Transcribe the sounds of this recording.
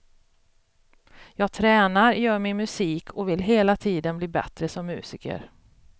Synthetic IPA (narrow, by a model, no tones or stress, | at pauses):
jɑːɡt̪ʰɾɛːnaɾjœːɾmɪnmɵsiːkʰɔvɪlɦeːlat̪ʰiːd̪ənbliːbɛ̰t̪ɾəsɔmːʉ̟̰ːsɪːkə̰ɾ